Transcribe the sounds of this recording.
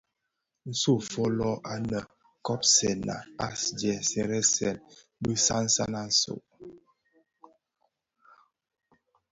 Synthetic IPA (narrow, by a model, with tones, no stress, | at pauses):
n̩˦so˦˨fɔ˦lɔ˦ʔa˦nə˨ | kɔ˦psɛ˨na̰˨a˦sd͡ʒɛ˨sɛ˦ɾɛ˦sɛ˨n | bə˦sa˦n̩˦sa̰˦na˦n̩˦so̰˨ʔ